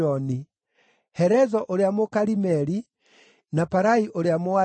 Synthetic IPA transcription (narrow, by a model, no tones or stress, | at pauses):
ɔni | hɛɾɛzɔʔoɾeamokaɾimɛɾi | napaɾaiʔoɾeamoa